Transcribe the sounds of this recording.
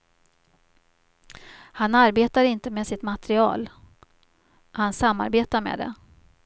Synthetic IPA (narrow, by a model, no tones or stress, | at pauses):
hanaɾbeːt̪aɾɪnt̪əmeːsɪt̪mat̪ɾɪɑ̰ːl | hansamːa̰ɾbeːt̪amḛːd̪ɛ̰